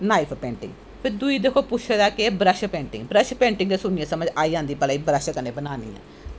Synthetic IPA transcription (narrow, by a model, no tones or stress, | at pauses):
naːipʰpɛ̃ːɳʈɪ̰ŋɡ | pʰɪɾd̪uiːd̪ekʰoːpʊʃʰed̪aːkɪbɾəʃpɛ̃ːɳʈɪŋɡbɾəʃpɛ̃ːɳʈɪŋɡd̪eːsʊnɪjãːsəməd͡ʒaːiːãːnd̪iːpəlaːiːbɾəʃəkəneːbənaːnḭːɛ̰ː